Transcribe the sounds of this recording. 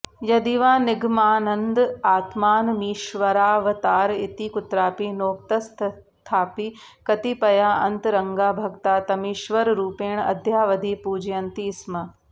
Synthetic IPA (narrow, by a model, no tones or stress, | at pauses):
jɐd̪iʋaːnɪɡmaːnɐ̃nd̪aːt̪maːnmiːʃʋɐɾaːʋɐt̪aːɾɪt̪ikʊt̪ɾaːpinoːk̚t̪ɐst̪ʰ | t̪ʰaːpiː | kɐt̪ipɐjaːɐ̃nt̪ɾɐŋɡaːbʱɐɡt̪aːt̪ɐmiːʃʋɐɾɾuːpeːɳ̃ɐ̰d̪ʱjaːʋɐd̪ʱipuːd͡ʒjɐnt̪iːsmɐ